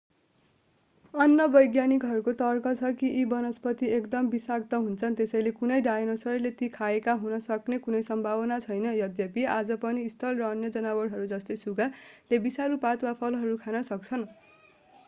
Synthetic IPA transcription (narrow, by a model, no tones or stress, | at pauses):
ʌnjʌbʌjɡjanikɦʌɾukot̪ʌrkʌt͡sʰʌkiʔibʌnʌspʌt̪iekd̪ʌmbisak̚t̪ʌɦunt͡sʰʌnt̪esʌjlekunʌjɖajenʌsʌɾlet̪ikʰaekaɦunʌsʌknekunʌjsʌmbʱabʌnat͡sʰʌjnʌjʌd̪jʌpiad͡zʌpʌniːst̪ʰʌlrʌʌnjʌd͡zʌnawʌɽɦʌɾud͡zʌst̪ʌjsuɡalebisalupat̪wapʰʌlɦʌɾukʰanʌsʌkt͡sʰʌn